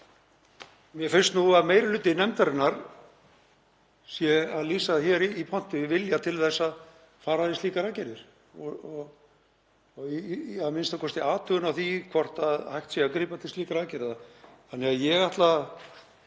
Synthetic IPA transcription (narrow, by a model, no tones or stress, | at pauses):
mjɛfɪnst̪nuaðmeːjɾɪlʏːt̪ːɪnɛmt̪aɾɪnːaɾ̥ | sjɛaðliːsaðɪçɛɾiipʰɔn̥t̪ɪvɪljat̪ʰɪlθɛsːað | faːɾaθɪst̪iːkaɾacɛɾɪɾ̥ | ɔɔ | aðmɪnst̪akʰɔst̪ɪaːt̪ʰʏɣʏnawθikʰvɔr̥t̪aðhajht̪sɛakɾiːpat̪ʰɪlst̪iːkaɾaːcɛɾɪðaθanːɪɣaðjɛɣaht̪la